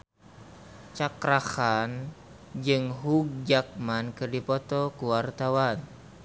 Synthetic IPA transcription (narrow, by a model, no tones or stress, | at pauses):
t͡ʃakɾahan | d͡ʒɨŋɦuɡ̚d͡ʒak̚mankɨrdipɔt̪ɔkuwart̪awan